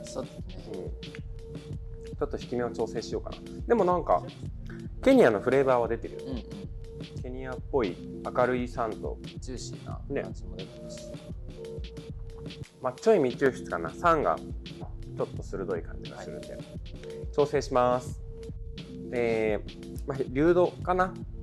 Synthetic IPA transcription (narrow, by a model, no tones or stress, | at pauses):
soːd̪esneɯ̟̃ːɴ | t͡ɕo̞t̪ːo̞çi̥kʲimʲeat͡ɕo̞ːse̞ːɕijo̞ːka̰na̰ | d̪e̞mo̞nãŋka̰ | ke̞ɲ̟iano̞ɸɯ̟ɾe̞ːbaːβ̞ad̪e̞t̪e̞ɾɯ̟jo̰ne | ke̞ɲ̟iapːo̞iakaɾɯ̟isãnt̪o̞̰ɕia̰ne̞̰ | mat͡ɕo̞imʲit͡ɕɨːɕɨ̥t͡sɨ̥kana̰sãŋɡa̰ | t͡ɕo̞t̪ːo̞sɨɾɯ̟d̪o̞ikʰãɲ̟d͡ʑiɡa̰ɨɾɯ̟̰nd̪ḛ | t͡ɕo̞ːse̞ːɕimasɨ̥ | eː | maɾʲɨːd̪o̞kana